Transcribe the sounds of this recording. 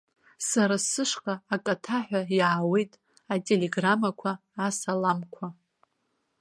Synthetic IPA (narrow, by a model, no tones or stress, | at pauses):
saɾasɨʂqʼaːkʼatʰaħʷᶣajʕawejtʼ | atʼe̞leɡramakʷʰaː | salamkʷʰa